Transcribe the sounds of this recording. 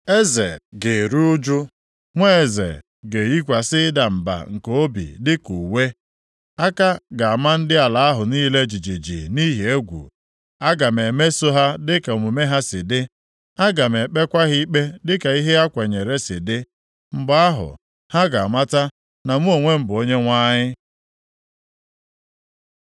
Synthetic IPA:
e˦ze˨ɡe˨ɾu˦ʊ˦d͡ʒu˦ | ŋʷe˦e˨zḛ˨ | ɡe˨ji˦kʷa˨sɪ˦da˨m̩˨ba̰˨ŋ̩˨ko˨o˦bḭ˨dɪ˦ku˨we˦ | a˦ka˦ɡa˨a˨ma˦n̩˦dɪ˦a˨la˨a˦ɦʊ˨niː˦le˦d͡ʒi˨d͡ʒi˨d͡ʒḭ˨ni˦ɦi˨e˦ɡʷṵ˨ | a˦ɡa˨me˨me˦so˦ɦa˦dɪ˦ka˨o˨mu˨me˦ɦa˦sɪ˨dɪ˦ | a˦ɡa˨me˨k͡pe˦kʷa˦ɣi˦i˦k͡pe˦dɪ˦ka˨i˦ɦe˦a˦kʷe˨ɲe˨ɾe˦sɪ˨dɪ˦ | m̩˦ba˦a˦ɦʊ̰˨ | ha˦ɡa˨a˨ma˦ta˦ | na˨mu˦o˨ŋʷe˦m̩˦bʊ˨o˦ɲe˦ŋʷa˦ɲɪ˦

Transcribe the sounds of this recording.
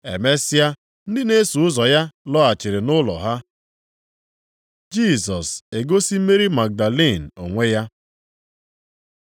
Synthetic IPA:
ḛ˨me˦sɪ˦a˦ | n̩˦dɪ˦ne˦su˨ʊ˦zɔ˨ja˦lɔ˦a˨t͡ʃe˨ɾe˨nʊ˦lɔ̰˨ɦa˦ | d͡ʒi˦˨sɔ˨se˨ɡo˦si˦m̩˦me˦ɾi˦ma˨k̚da˨li˦˨n̩˨o̰˨ŋʷe˦ja˦

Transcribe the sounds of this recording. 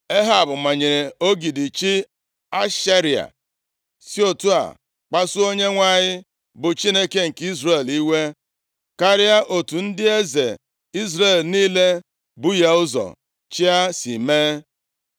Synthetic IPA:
e˦ɦa˦˨bʊ˨ma˨ɲe˨ɾe˨o˦ɡi˨dɪ˨t͡ʃi˦ | a˦ʃa˦ɾi˨a̰˨ | si˦o˦tu˦a̰˨ | k͡pa˦sʊ˦o˦ɲe˦ŋʷa˦˨ɲɪ˦ | bʊ˨t͡ʃi˦ne˦ke˦ŋ̩˨ki˦zɾe˦˨li˦we˦ | ka˦ɾɪ˦a˦ʔo˨tu˨n̩˦dɪ˦e˦ze˨ | i˦zɾe˨lniː˦le˦ | bʊ˦ja˦ʊ˦zɔ̰˨ | t͡ʃi˦a˦si˨meː˦

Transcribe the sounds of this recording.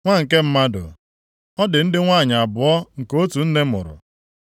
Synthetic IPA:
ŋʷa˦ŋ̩˨ke˦m̩˦ma˦dʊ̰˨ | ɔ˦dɪ˨n̩˦dɪ˦ŋʷa˦˨ɲa˨a˨bʊ˨ɔ˦ŋ̩˨ko˦tu˨n̩˦ne˦mʊ̰˨ɾʊ̰˨

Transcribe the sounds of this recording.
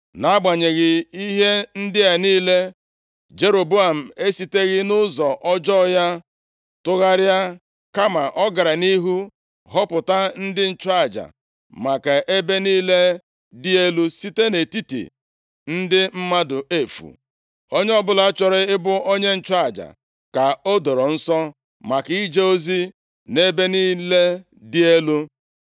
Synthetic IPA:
na˨˦ɡ͡ba˨ɲe˨ɣɪ˨i˦ɦe˦n̩˦dɪ˦a˨niː˦le˦ | d͡ʒe˦ɾo˨bu˦a˨m̩˨e˦si˨te˦ɣɪ˦nʊ˦zɔ˨ʔɔ˦d͡ʒɔ˦ja˦ | tʊ˦ɣa˦ɾja˦ | ka˦ma˨ʔɔ˦ɡa˨ɾa˨ni˦ɦu˦ | ɦɔ˦pʊ˨ta˦n̩˦dɪ˦n̩˦t͡ʃa˦˨d͡ʒa̰˨ | ma˨ka˨ʔe˦be˦niː˦le˦ | di˦e˦lu˦si˦te˦ne˨ti˦tḭ˨ | n̩˦dɪ˦m̩˦ma˦dʊ˨e˦fṵ˨ | o˦ɲe˦ɔ˦bʊ˦la˨˦t͡ʃɔ˨ɾɪ˦ɪ˦bʊ˦ʔo˦ɲe˦n̩˨t͡ʃa˦˨d͡ʒa̰˨ | ka˨o˦do˨ɾɔ˨n̩˦sɔ˦ | ma˨ki˦d͡ʒe˦o˦zi˦ | ne˦be˦niː˦le˦ | dɪ˦e˦lu˦

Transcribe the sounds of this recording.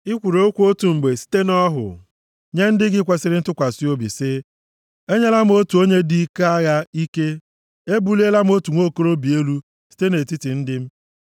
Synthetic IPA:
ɪ˦kʷu˨ɾo˦o˦kʷu˦o˦tu˨ŋ͡m̩˨ɡ͡be˨si̥˦te˦nɔ˦ɦʊ̰˨ | ɲe˦n̩˦dɪ˦ɡɪ˦kʷe˨sɪ˦ɾɪ˦tʊ˦kʷa˨si˦o˦bḭ˨sɪ˦ | e˦ɲe˦la˦m˦o˦tu˨o˦ɲe˦di˦ke˦a˦ɣa˦i˦ke˦ | e˦bu˦le˦la˦m̩˦o˦tu˨ŋʷo˦˨ko˦ɾo˦bi˨e˦lu˦ | si̥˦te˦ne˨ti˦ti˨n̩˦dɪ˦m̩˦

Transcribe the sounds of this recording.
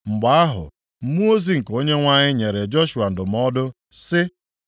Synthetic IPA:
ŋ͡m̩˨ɡ͡ba˦a˦ɦʊ̰˨ | m̩˦mu˦o˦zi˦ŋ̩˨ko˦ɲe˦ŋʷa˦ɲɪ˦ɲe˨ɾe˨d͡ʒo˦ʃu˨a˨n̩˨dʊ˨m̩˦ɔ˦dʊ˦ | sɪ˦

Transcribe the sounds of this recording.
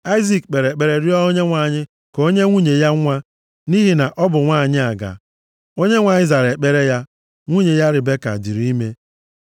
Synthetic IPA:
a˦ɪ˦zi˨k̚k͡pe˨ɾe˨k͡pe˨ɾe˨ɾɪ˦ɔ˦o˦ɲe˦ŋʷa˨ɲɪ˦ | ko˦ɲe˦ŋʷu˦ɲe˨ja˦ŋʷa˦ | ni˦ɦi˨na˨ʔɔ˦bʊ˨ŋʷaː˦˨ɲɪ˦a˨ɡa̰˨ | o˦ɲe˦ŋʷa˨ɲɪ˦za˨ɾe˨k͡pe˨ɾe˦ja˦ | ŋʷu˦ɲe˨ja˦ɾɪ˨be˦ka̰˨di˨ɾi˦me˦

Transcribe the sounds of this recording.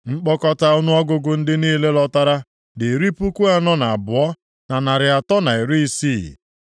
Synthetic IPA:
ŋ͡m̩˦k͡pɔ˦kɔ˦ta˦ʊ˦nʊ˦ɔ˦ɡʊ˦ɡʊ˨n̩˦dɪ˦niː˦le˦lɔ˦ta˦ɾa˦ | de˨ɾi˦pu˦ku˦a˦nɔ˦na˨a˨bʊ˨ɔ˦ | na˨na˨ɾɪ˨a˨tɔ˦na˨i˨ɾi˦i˦siː˦˨

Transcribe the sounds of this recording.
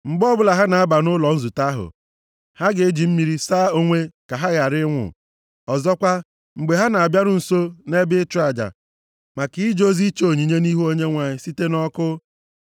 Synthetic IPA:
ŋ͡m̩˨ɡ͡bɔ˦bʊ˦la˨ɦa˦na˨a˦ba˨nʊ˦lɔ˨n̩˦zu˨ta˦ɦʊ̰˨ | ha˦ɡɪ˨e˦d͡ʒi˨m̩˦mi˨ɾi˦saː˦o˦ŋʷe˦ka˨ɦa˦ɣa˨ɾɪ˦ŋʷʊ̰˨ | ɔ˨zɔ˦kʷa˦ | ŋ͡m̩˨ɡ͡be˨ɦa˦na˨a˨bja˦ɾʊ˨n̩˨so˦ne˦bɪ˦ta˨d͡ʒa̰˨ | ma˨kɪ˦d͡ʒo˦zi˦t͡ʃo˨ɲi˨ɲe˦ni˦ɦu˦o˦ɲe˦ŋʷa˨ɲɪ˦si˦te˦nɔ˦kʊ˦

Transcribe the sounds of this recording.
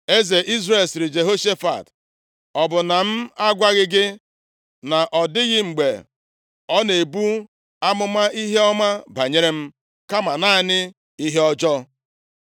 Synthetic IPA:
e˦ze˨ʔi˦zre˨lsɪ˨ɾɪ˨d͡ʒe˨ɦo˦ʃe˦fa̰˨t | ɔ˨bʊ˨na˨m̩˦a˦ɡʷa˦ɣɪ˦ɡɪ˦ | na˨ʔɔ˨dɪ˦ɣɪ˦ŋ͡m̩˨ɡ͡be˨ | ɔ˦ne˨bu˦ | a˦mʊ˦ma˦i˦ɦe˦ɔ˦ma˦ba˨ɲe˦ɾe˦m̩˦ | ka˦ma˨na˦nɪ˦ | i˦ɦe˦ɔ˦d͡ʒɔ˦

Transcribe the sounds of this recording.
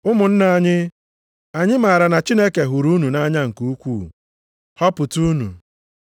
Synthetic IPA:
ʊ˦mʊ˨n̩˦na˨ɲɪ˦ | a˨ɲɪ˦ma˨ɾa˨na˨t͡ʃi˦ne˦ke˨ɦu˨ɾu˦nu˨na˦ɲa˦ŋ̩˨kuu˦kʷuː˦˨ | hɔ˦pʊ˨tu˦nṵ˨

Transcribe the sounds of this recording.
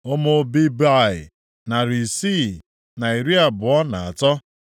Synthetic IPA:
o˦mo˦bi˦ba˦˨ɪ˨ | na˨ɾi˨si˦˨ | na˨i˨ɾi˦a˨bʊ˨ɔ˦na˨a˨tɔ˦

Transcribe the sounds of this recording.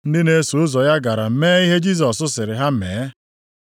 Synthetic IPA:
n̩˦dɪ˦ne˦su˨ʊ˦zɔ˨ja˦ɡa˨ɾa˨m̩˦meː˦i˦ɦe˦d͡ʒi˦s̬ɔ˨sʊ˦sɪ˨ɾɪ˨ɦa˦m̩˦meː˨˦

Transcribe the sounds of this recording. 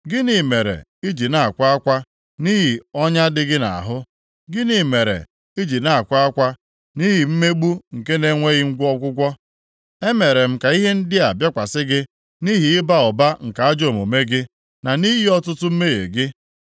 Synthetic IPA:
ɡɪ˦ni˨me˨ɾḛ˨ | i˦d͡ʒi˨na˨a˨kʷa˦a˦kʷa˦ | ni˦ɦi˨ɔ˦ɲa˦dɪ˦ɡɪ˦na̰˨a̰˨ɦʊ˦ | ɡɪ˦ni˨me˨ɾḛ˨ | i˦d͡ʒi˨na˨a˨kʷa˦a˦kʷa˦ | ni˦ɦi˨m̩˦me˦ɡ͡bu˦ŋ̩˨ke˦ne˦ŋʷe˦ɣɪ˦ŋ̩˦ɡʷɔ˦kʷʊ˦ɡʷɔ˦ | e˦me˨ɾe˨m̩˦ka˨i˦ɦe˦n̩˦dɪ˦a˨bja˦kʷa˨sɪ˦ɡɪ˦ | ni˦ɦi˨ɪ˦ba˦˨ɔ˨ba˦ŋ̩˨ka˨a˦d͡ʒo˨mo˨me˦ɡɪ˦ | na˨ni˦ɦi˦ɔ˦tʊ˦tʊ˦m̩˦me˦ɣḛ˨ɡɪ˦

